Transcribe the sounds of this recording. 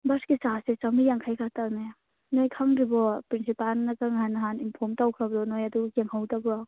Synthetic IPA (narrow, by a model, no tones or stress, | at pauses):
bɐɾskisaset͡ʃɐmijaŋkʰajkʰataɾnaja | nojkʰaŋɾibɔpɾinsipalnɐkaŋɦanɐɦaninpʰɔɾmtawkʰɾɐbdɔnojɐdukeŋhawtabɾɔ